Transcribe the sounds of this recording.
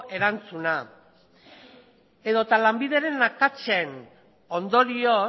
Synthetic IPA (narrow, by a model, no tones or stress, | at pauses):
ʔe̞ɾant͡suna | e̞ðo̞t̪alambiðe̞ɾe̞nakat͡ʃen | o̞nd̪o̞ɾio